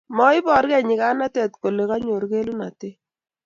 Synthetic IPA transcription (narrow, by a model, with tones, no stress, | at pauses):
mɔ˦ɪ˦bɔ˨ɾkɛ˦˨ɲɪ˨ka˦na˦tɛ˦˨tko˨le˨ka˦ɲo˨ɾke˦lu˦na˨te˦